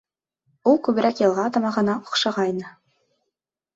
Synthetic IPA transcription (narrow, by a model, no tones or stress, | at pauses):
ulˠkʉβɘ̆ɾækjɤ̆lˠʁɑt̪ɑmɑʁɤ̆nɑŏ̥qʃɑʁɑjnɤ